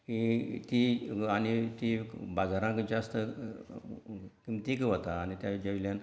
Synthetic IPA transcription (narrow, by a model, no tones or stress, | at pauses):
kit̪iañit̪ibad͡zaɾãkd͡zast̪ə | kimt̪ikʋət̪aːnit̪jad͡ʑəʋiljan